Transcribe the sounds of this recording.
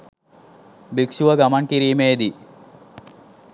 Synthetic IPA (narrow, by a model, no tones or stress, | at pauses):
bikʂuʋɐɡɐmɐnkiɾiːmeːd̪i